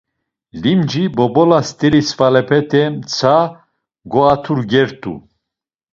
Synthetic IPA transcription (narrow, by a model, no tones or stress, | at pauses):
limd͡ʒibɔbɔlast̪ʼɛɾisfalɛpʰɛt̪ʰɛmt͡sʰa | ɡɔat̪ʰuɾɡɛɾt̪ʼṵ